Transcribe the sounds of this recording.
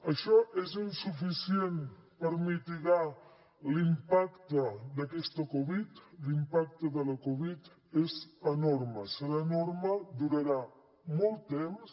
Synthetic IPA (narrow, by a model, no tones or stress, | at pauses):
əʃɔʔezinsufisjenpəɾmit̪iɣa | limpakt̪əd̪əkɛst̪əkoβit̪limpak̚t̪əðələkoβit̪ | ezənoɾməsəlanoɾməd̪uɾəɾa | mɔlˠt̪ems